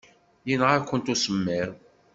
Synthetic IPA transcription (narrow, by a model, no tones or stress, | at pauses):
jinʁaɾkʷːənt̪usəmːɪɾ